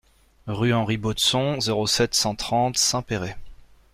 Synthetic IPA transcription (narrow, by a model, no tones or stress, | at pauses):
ʁyɑ̃ʁibot̪sɔ̃zeʁosɛt̪sɑ̃t̪χɑ̃t̪sɛ̃peʁe